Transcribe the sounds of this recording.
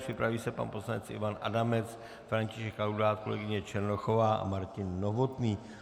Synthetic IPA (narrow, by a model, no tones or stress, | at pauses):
pr̥ɪpɾaviːsɛpa̰npo̞slanɛt͡sʔɪ̰vanʔa̰damɛt͡s | fɾaɲcɪʃɛkːawdaːt̪̚ko̞lɛ̰ɡɪɲɛt͡ʃɛɾnoxo̞vaːʔa̰maɾcɪnːo̞vo̞t̪niː